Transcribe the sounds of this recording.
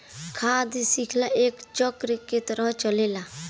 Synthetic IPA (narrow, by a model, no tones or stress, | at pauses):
kʰaːd̪sikʰlaʔeːkt͡ʃɔkɾket̪əɾət͡ʃəleːla